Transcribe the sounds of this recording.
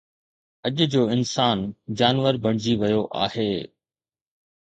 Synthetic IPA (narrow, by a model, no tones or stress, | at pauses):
ɐʄd͡ʑoːɪnsaːnd͡ʑaːnʋəɾbɐɽ̃ɪd͡ʑiʋɐjoʔa̰ːɦeː